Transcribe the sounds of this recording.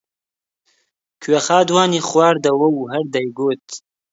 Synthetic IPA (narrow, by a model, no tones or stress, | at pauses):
kʰɥexaːd̪waːniːχwaːɾd̪ɐwɐwuɦɐɾd̪ɐjɡoːt̪̚